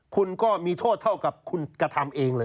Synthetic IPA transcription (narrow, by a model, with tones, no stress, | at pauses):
kʰu˧nkɔː˥˩miː˧t̪ʰoː˥˩t̪̚ʰa˥˩wka˨˩p̚kʰu˧nkɾa˧t̪ʰa˧mʔeː˧ŋlɤː˧